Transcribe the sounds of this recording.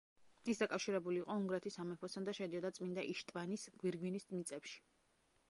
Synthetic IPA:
isd̪akʼafʃiɾɛbuliːqʼɔuŋɡɾɛt̪ʰisamɛpʰɔsʰand̪aʃɛd̪iɔd̪at̪sʼmind̪aʔiʃt̪ʼvanisɡ̥wiɾɡwinismit̪sʼɛpʃi̥

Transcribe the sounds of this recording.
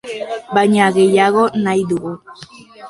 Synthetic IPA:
bajɲaɣe̞jaɣ̞o̞najðuɣu

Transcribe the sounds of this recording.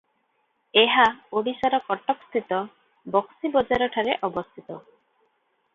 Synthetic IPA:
eɦaoɽisaɾɔkɔʈɔkst̪ʰit̪ɔ | bɔksibɔd͡ʒaɾɔʈʰaɾeʔɔbɔst̪ʰit̪ɔ

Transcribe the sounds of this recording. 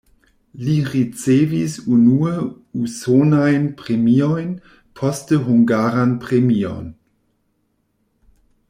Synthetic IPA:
liʁit͡seːvisunuːə | usoːnaɪnpʁ̥emiɔɪn | pʰɔstəɦʊŋɡaːʁanpʁ̥emiɔ̰n

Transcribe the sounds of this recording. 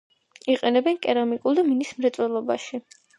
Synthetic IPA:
iqʼɛnɛbɛnkʼɛɾamikʼulˠd̪aminismɾɛt̪sʼwɛlˠɔbaʃi

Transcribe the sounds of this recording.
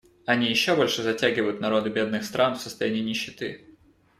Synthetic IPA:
ɐnʲijɪɕːo̞bo̞lʲʂɨzɐtʲæɡʲɪvəjʊt̪nɐɾo̞d̪ɨbʲe̞d̪nɨxst̪ɾʔanfsə̥st̪ɐjænʲiːnʲɪɕːɪt̪ɨ

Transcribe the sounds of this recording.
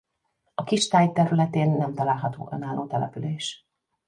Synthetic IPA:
ɒkiʃt̪aːjt̪ɛɾylɛt̪eːnːɛmt̪ɒlaːlɦɒt̪o̰ːʔø̰naːlʔoːt̪ɛlɛ̰pyleːʃ

